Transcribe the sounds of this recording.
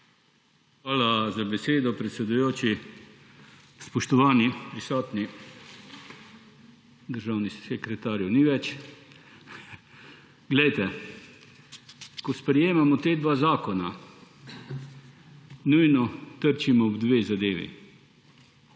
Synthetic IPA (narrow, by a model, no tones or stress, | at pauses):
xʋaːlazabɛseːd̪ɔpɾɛt̪sɛd̪ujoːt͡ʃi | spɔʃt̪ɔʋaːnipɾisɔːt̪ni | d̪əɾʒaːwnisɛkɾɛt̪aːɾjuniːʋɛt͡ʃ | ɡlɛjt̪ɛ | kɔspɾɛjeːmamɔt̪eːd̪ʋaːzaːkɔna | nujnɔt̪əɾt͡ʃimɔɔbd̪ʋeːzad̪eːʋḭ